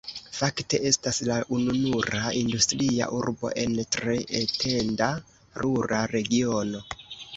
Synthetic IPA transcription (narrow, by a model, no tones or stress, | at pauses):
fakte̞ʔe̞staslaʔununuɾaindustɾia̰ʔuɾbo̞̰ʔe̞ntɾe̞ʔetʰe̞nda | ɾʔuɾaɾe̞ɡio̞no̞